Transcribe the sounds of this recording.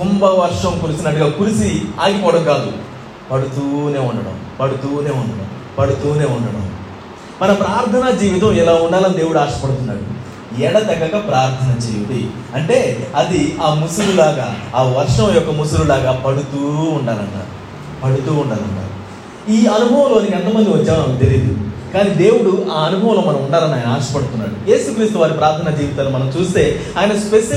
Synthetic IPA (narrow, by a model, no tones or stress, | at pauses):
k̪umbɐʋɐɾʂɐmkuɾisinɐʈːuɡaːkuɾisiaːɡipɔɽɐɡaːlu | pɐɽut̪uːne̞ːuɳɖɐɽɐ̰mpɐɽut̪uːne̞ːuɳɖɐɽɐ̰m | pɐɽut̪uːne̞ːuɳɖɐɽɐ̰m | mɐnɐpɾaːɾt̪ʰɐnɐd͡ʒiːʋit̪̬ɐmɛlaːuɳɖaːlɐnid̪eːʋuɽuaːʂɐ̥pɐɽut̪unːa̰ːɽṵ | ɛɽɐd̪ɐɡɐkɐpɾaːɾt̪ʰɐnɐd͡ʒiːʋit̪i | ɐɳʈe̞ːɐd̪iaːmusululaːɡaːaːʋɐɾʂɐmjɔkːɐmus̬ululaːɡaːpɐɽut̪uːɳɖaːlɐ̰ɳːa̰ːɾu | pɐɽut̪uːuɳɖaːlɐ̰ɳʈa̰ːɾu | iːɐnubʱɐʋɐ̃mlo̞ːniɛnt̪ɐmɐnd̪iʋɐt͡ʃːaːmmɐnɐmkt̪eliːd̪ukaːniːd̪e̞ːwuɽuʔaːɐnubʱɐʋɐ̃loːmɐnɐmuɳɖaːɾɐniaːjɐnɐaːɾʂɐ̥pɐɽut̪unːa̰ːɽuje̞ːsukɾiːst̪uʋaːɾipɾaːɾt̪ʰɐnad͡ʒiːʋit̪aːnumɐnɐmt͡ʃuːst̪e̞ːaːjɐnɐspeʃɐ